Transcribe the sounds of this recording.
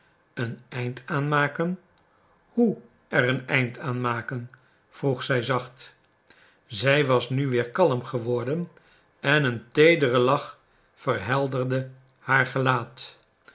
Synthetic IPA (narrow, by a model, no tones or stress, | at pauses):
ənɛjntaːnmaːkən | hu | ɛrənɛ̰jntʰaːnmaːkən | v̥ruχsɛjzɑχt | zɛjʋɑsnyʋɪːɹkɑləmχəʋɔɹdən | ɛnəntejdərəlɑχ | fəɹɦɛlˠdərdə | haːɹχəlaːt